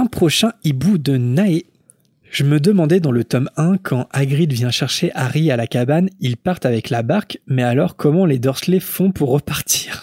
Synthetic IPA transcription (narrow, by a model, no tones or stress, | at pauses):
ɛ̃pχɔʃɛ̃ibud̪ənae | ʒ̥əməd̪əmɑ̃d̪ɛd̪ɑ̃lət̪ɔmɛ̃kʰɑ̃ʔaɡʁid̪vjɛ̃ʃɛʁʃeʔaʁialakabanilpaʁt̪avɛklabaʁkmɛalɔʁkʰɔmɑ̃led̪ɔʁslefɔ̃puʁːəpaʁt̪ʰiːʁ